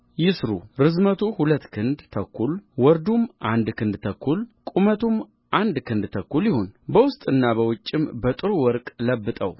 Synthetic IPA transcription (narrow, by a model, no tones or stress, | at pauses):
jɪsɾṵɾɨzmət̪ʰuhulət̪ːkʰɨnd̪t̪ʰəkʰːulwɔɾd̪umʔand̪kʰɨnd̪t̪ʰəkʰːulkʼumət̪ʰum | ʔand̪kʰɨnd̪t̪ʰəkːuljɪhonbəwʊst̪ʼɨnːabəwʊt͡ʃʼːɪmbət̪ʼɨɾuwɔɾkʼləbːɨt̪ʼə̰w